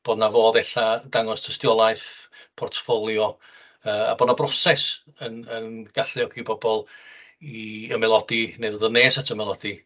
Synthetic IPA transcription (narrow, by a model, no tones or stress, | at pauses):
b̥oːdnavoːðɛɬadaŋɔstʰəstjɔlˠajθpʰɔrtʰfɔlˠjɔ | əːa̰boːdnabrɔsɛs | ənənɡ̥aɬɪɔkʰibɔbɔlˠ | iəmɛlˠɔdineðəðəneːsatʰəmɛlˠɔdi